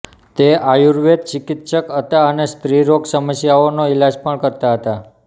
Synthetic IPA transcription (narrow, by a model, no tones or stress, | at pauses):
t̪eʔajuɾʋed̪̚t͡ʃɪkit̪ʃəkɦət̪aənest̪ɾiɾoɡsəməsjaonoilad͡ʒpəɳkəɾt̪aɦət̪a